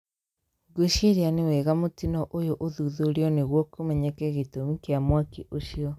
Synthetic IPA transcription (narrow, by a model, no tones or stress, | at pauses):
ɡuʃiɾianewɛɣamotinɔʔojoʔoðuðoɾiɔneɣwɔkomɛɲakeɣetomikeamwakiʔoɕiɔ